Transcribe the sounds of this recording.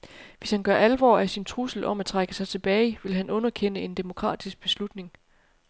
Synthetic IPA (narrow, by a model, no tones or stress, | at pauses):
ʋe̝shænɡ̥ɶɐʔælʋɒ̰ːæsint͡sʰʁusl̩ʔɒ̽mæt͡sʰʁaɡ̥əsɑ̈ɪt͡sʰe̝b̥ɛːɪiʋe̝lɦænʔɔ̽nɐkʰen̰əe̝nd̥e̝mo̝kʰʁɑ̰̈ːd̥isɡ̥̚b̥e̝slud̥ne̝ŋ